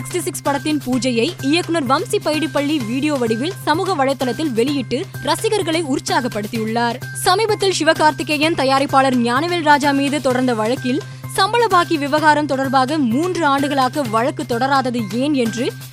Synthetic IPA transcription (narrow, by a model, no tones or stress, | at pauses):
ɪksʈisɪkspɐɽɐt̪ːɪnpuːd͡ʒɐjɐɪɪjɐkːɯnɐɾʋɐmsipːɐjɪɽɪpːɐɭːiʋiːɽɪjoːʋɐɽɪʋɪlsɐmuːɣɐʋɐɻɐɪt̪ːɐlɐt̪ːɪlʋɛɭɪjɪʈːɯ | ɾɐsɪɣɐɾɣɐɭɐɪʊɾt͡ʃːaːɣɐpːɐɽɯt̪ːɪjɯɭːaːɾsɐmiːbɐt̪ːɪlʃɪʋɐkaːɾt̪ɪkːɐjɐnt̪ɐjaːɾɐɪpːaːɭɐɾɲjaːnɐʋelɾaːd͡ʒaːmiːðɯt̪ɔɽɐɾnd̪ɐʋɐɻɐkːɪl | sɐmbɐɭɐbaːkiʋɪʋɐɣaːɾɐmt̪ɔɽɐɾbaːɣɐmuːndrɯaːɳɖɯɣɐɭaːɣɐʋɐɻɐkːɯt̪ːɔɽɐɾaːðɐðɯeːnɛndrɯ